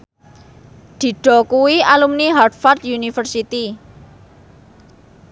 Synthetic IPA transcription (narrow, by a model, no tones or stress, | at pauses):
d̪̥i̤ɖ̥ɔ̤kuwialumniɦard̪fɔrt̪junifərsit̪i